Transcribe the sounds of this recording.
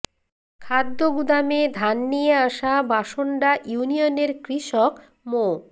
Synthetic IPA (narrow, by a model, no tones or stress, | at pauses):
kʰad̪ːoɡud̪amed̪ʱanːijeaʃabaʃoɳɖaʔjunioneɾkɾiʃɔk | mo